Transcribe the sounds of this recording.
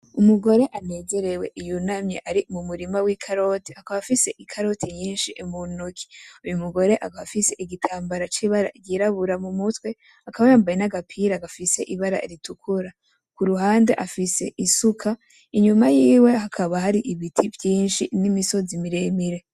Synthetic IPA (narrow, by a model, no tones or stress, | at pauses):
umuɡo̞ɾe̞ʔane̞ːze̞ɾe̞we̞ʔijunamɲḛʔaɾimumuɾimawikʰaɾo̞ti̥hakaβafise̞ʔikʰaɾo̞tʰiɲiːnʃiʔemunokʰi̥ujumuɡo̞ɾe̞ʔaɡaafise̞ʔiɡitʰaːmbaɾat͡ʃiβaɾa̰ɟiɾaβuɾamumutwe̞ | akaβajaːmbajenaɡapʰiɾaɡafise̞ʔiβaɾa̰iɾitukʰuɾa | kuɾuɦaːnde̞ʔafise̞ʔisukʰa | iɲumajiːwe̞ɦakʰaβaɦaɾiʔiβitʰivjiːnʃinimiso̞zimiɾemiɾe̞